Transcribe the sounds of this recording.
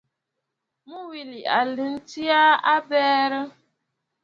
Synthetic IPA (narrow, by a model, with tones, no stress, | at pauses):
mu˦wi˨li˨ʔa̰˨li˨n̩˦ti˦a˦a˦bɛː˦ɾɪ˦